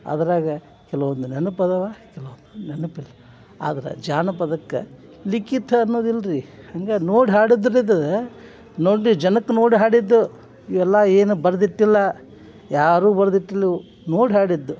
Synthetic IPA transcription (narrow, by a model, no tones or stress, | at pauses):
ɐ̰d̪ɐɾaːɡɐ | kɛlɐʋɐnd̪unenupɐd̪ɐʋaːkɛlɐʋɐnd̪unenupilːɐ | a̰ːd̪ɐɾɐ̰d͡ʒaːnɐpɐd̪ɐkːḛ | likit̪ʰːɐːnːoːd̪ilːɐɾihɐŋɡenoːɽiɦaːɽid̪ɐɾid̪ɐ | noːɽid͡ʒɐnɐkːnoːɽiɦaːɽid̪ːu | iʋɛlːɐeːnubɐɾɐd̪iʈːilːɐ | jaːɾuːbɐɾɐd̪iʈːilːi | noːɽiɦaːɽid̪ːu